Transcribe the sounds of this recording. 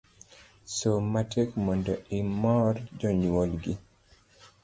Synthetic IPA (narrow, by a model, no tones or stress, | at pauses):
somatekmɔndɔɪmɔrd͡ʒɔɲwolɡi